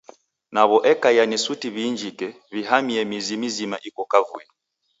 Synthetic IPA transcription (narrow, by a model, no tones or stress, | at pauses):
naβɔʔɛkajanisutiβind͡ʒikɛ | βiɦamiɛmizimizimaʔikɔkavṵɛ